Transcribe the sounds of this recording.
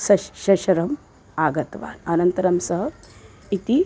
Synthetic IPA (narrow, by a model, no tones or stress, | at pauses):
sɐɕɐɕɐɾɐm | aːɡɐt̪ʋa̰ːnɐnɐnt̪ɐɾɐmsɐɦə | it̪i